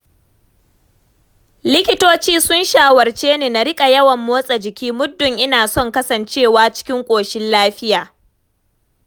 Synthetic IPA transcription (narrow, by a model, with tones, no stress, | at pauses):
lɪ˦kʲɪ˦toː˦t͡ʃiː˦sʊ˦nʃaː˨wɐ˨rt͡ʃeː˦neː˨na˨ɾɪ˦kʼa˨jɐ˦wɐ˨mːoː˦sʼɐ˨d͡ʒɪ˨kʲiː˦mʊ˦dːʊ˨ŋʔɪ˦naː˨sɔ˦˨ŋkɐ˦sɐ˨nt͡ʃeː˦˨waː˦t͡ʃɪ̥˦kʲɪ˦ŋkʷʼoː˨ʃɪ˦nlaː˦ɸɪ˦jaː˨